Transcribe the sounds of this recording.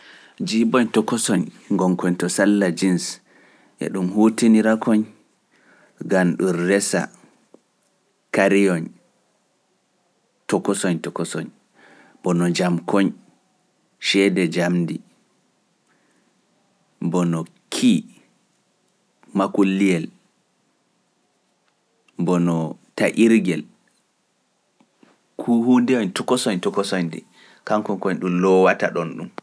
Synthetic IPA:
d͡ʒibɔɲtɔkɔsɔɲ | ŋɡɔŋkɔɲtɔsalːad͡ʒins | ʔɛ̰ɗumhutiniɾakɔɲ | ɡanɗunrɛsa̰ | kaɾijɔn | tɔkɔsɔɲtɔkɔsɔɲ | bɔnɔd͡ʒamkɔɲ | ʃɛdɛd͡ʒamdi | bɔnɔ | kʰi | makulːijɛl | bɔnɔtaʔiɾɡɛl | kʰuhundɛɔɲtɔkɔsɔɲtɔkɔsɔɲdḭ | kaŋkɔŋkɔɲɗumlɔwataɗɔnɗum

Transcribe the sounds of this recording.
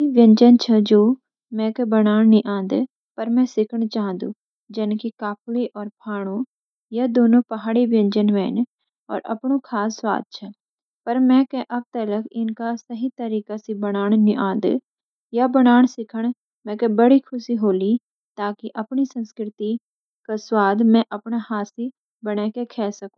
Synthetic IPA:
iʋjə̃ɲd͡ʒənt͡ʃʰəd͡ʒoː | mɛ̃ːkebəɽaːɳniʔãːnd̪ | pəɾmɛ̃ːsɪkʰəɽ̃t͡ʃaːɦə̃nd̪ṵː | d͡ʒɪnkikaːpʰleʔɔːɾpʰaːɽ̃õː | jaːd̪oːnõːpəɦaːɽibə̃ɲd͡ʒənʋɛ̰ːn | ɔ̰ːɾə̰pɳ̃õːkʰaːsːwa̰ːd̪̚t͡ʃʰə | pɐɾmɛ̃ːkeʔɐb̚t̪ələkɪnkasɐɦit̪əɾiːkasibəɽ̃aːɽ̃nɪʔãːd̪̰ | jabəɽ̃aːɳ̃sɪkʰəɽ̃ | mɛ̃kebəɽikʰʊsiɦoːli | t̪aːkiʔɐpnisə̃nskɾɪt̪i | kaswaːd̪mɛ̃ʔɐpnahaːsi | bəɽekekʰɛːsɐkũ

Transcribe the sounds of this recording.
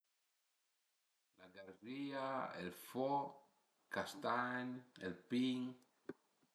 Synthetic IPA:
laɡaɾriaelfɔ | kast̪aɲelpiŋ

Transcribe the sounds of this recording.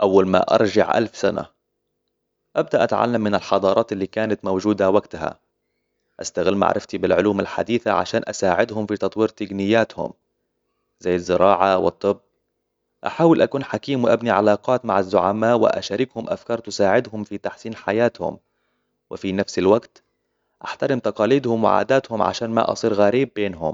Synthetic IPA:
ʔawːalma̰ʔɑ̰ɾˤʒɑ̰ʕʔa̰lfsana̰ | ʔab̚d̪aʔat̪ʕa̰lːamːɪnɪlħɑd̪ˤɑːɾˤɑːt̪ɪlːiːkaːnat̪mowd͡ʒuːd̪awaɡt̪ha̰ | ʔast̪aɣɪlːma̰ʕɾˤʔɪft̪ibɪlʕʊluːmalħa̰d̪iːθaʕa̰ʃaːnʔasaːʕɪd̪ɦʊmfit̪ɑt̪ˤwiːɾt̪aɡnɪjːaːt̪hʊ̰m | z̥ajːazːɪɾɑːʕawɨt̪ˤːɨbː | ʔaħaːwɪlʔakuːnħakiːmwɪʔabniʕalɑːqɑːt̪ma̰ʕazːʊʕamaːwɪ̰ʔa̰ʃaːɾɪkhʊmʔa̰fkɑːɾˤt̪ʊsaːʕɪd̪ɦʊmfit̪aħsiːnħajaːt̪hʊ̰m | wɪfinafsɪlwaɡt̪ | ʔaħt̪aɾɪmt̪ɑqɑːliːd̪hʊmwɪ̰ʕa̰ːd̪aːt̪hʊmʕa̰ʃaːnma̰ʔɑ̰sˤiːɾɣaɾiːbːeːnɦʊm

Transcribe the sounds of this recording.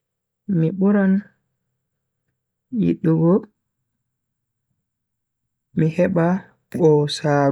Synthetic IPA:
miɓuɾan | jḭɗːuɡɔ | mihɛɓa | ɓɔsaː

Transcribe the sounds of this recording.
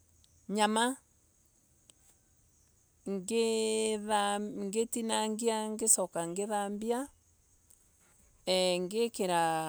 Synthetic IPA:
ɲama | ŋɡeðaŋɡetinaŋɡiaŋɡesɔkaŋɡeðambia | ɛŋɡekeɾa

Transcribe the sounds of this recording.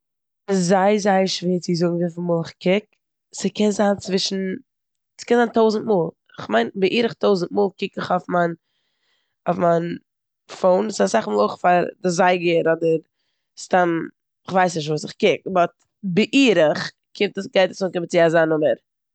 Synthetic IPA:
ɪzaɪzaɪəʃviːt͡sɪzʊɡŋ̩vɪfɪmuːlˠɪχkɪk̚ | sɪkʰɛnzaːnt͡svɪʃn̩ | skɛnzaːntoʊzn̩t̚muːlˠ | ɪχmaɪnbɪʔiːɾəχtʰoʊzn̩tmuːlˠkɪkɪχofman | ofmaɪn | foʊnsasaχmuːlˠoʊχfaɾdɪzaɪɡəɾɔdəɾ | stam | ɪχvaɪsnɪʃ̬tvuːsɪχkɪk̚bɔt̚ | bɪʔiːɾəχ | kʰɪmtəsɡaɪtasʊːnkɪmət͡sɪazaːnʊməɾ

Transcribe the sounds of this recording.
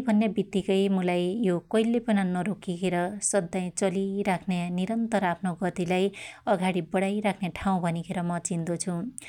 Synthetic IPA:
bʱʌnːebit̪ːikʌjmʌlajjokʌilːepʌnʌnʌɾokikʰeɾʌsʌd̪ːaj̃t͡sʌliɾakʰneniɾʌnt̪ʌɾapʰnoɡʌt̪ilajʌɡaɽibʌɽajɾakʰneʈʰaw̃bʱʌnikʰeɾʌmʌt͡sind̪ot͡sʰũ

